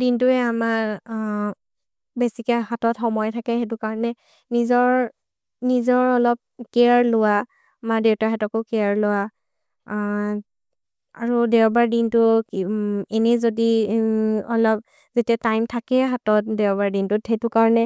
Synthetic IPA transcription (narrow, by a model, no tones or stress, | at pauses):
dintʊɛama | besikɛhatɔtxɔmɔjtʰakɛetʊkaɹɔnɛ | nizɔɹ | nizɔɹɔlɔp̚keaɹlʊwa | madewtaɦɛtɔkokɛaɹlʊwa | aɹudewbaɹdintʊ | ɛnɛzodi | ɔlɔp̚ | zetiatajmtʰakɛɦatɔt̚dɛwbaɹdintʊthɛtʊkaɹɔnɛ